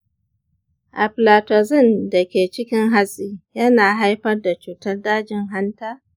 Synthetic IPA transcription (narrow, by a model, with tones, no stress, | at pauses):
ʔa̰˨ɸlaː˨tɐ˨zɪ˦˨nda˨kʲeː˨t͡ʃɪ˦kʲɪ˦ŋɦa˦sʼiː˦jɐ˦naː˨ɦa˦jɸɐ˦rda˨t͡ʃuː˨tɐ˦rdaː˦d͡ʒɪ˨ŋɦa˦ntaː˦